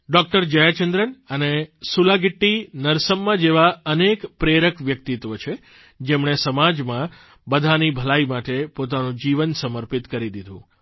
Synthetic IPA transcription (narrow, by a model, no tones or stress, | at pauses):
ɖɔk̚ʈəɾd͡ʒəjat͡ʃənd̪ɾənənesulaɡɪʈːinəɾsəmːãd͡ʒeʋaənekpɾeɾəkʋjəkt̪it̪ʋət͡ʃʰe | d͡ʒemɳesəmad͡ʒmã | bəd̪ʱanibʱəlaimaʈepot̪anũd͡ʒiʋənsəməɾpit̪kəɾid̪id̪ʱṵ̃